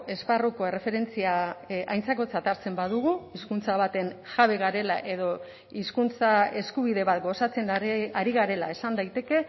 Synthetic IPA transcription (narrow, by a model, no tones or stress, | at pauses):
e̞sparuko̞e̞re̞fe̞ɾe̞nt͡siaajnt͡sako̞t͡sat̪aɾt͡se̞mbað̞uɣ̞uiskunt͡saβat̪e̞nʝaβ̞e̞ɣaɾe̞la̰ʔe̞ðo̞ | iskunt͡sae̞skuβiðe̞βat̪ɡo̞sat͡se̞nd̪aɾiɣ̞aɾe̞lae̞sand̪ajt̪e̞ke̞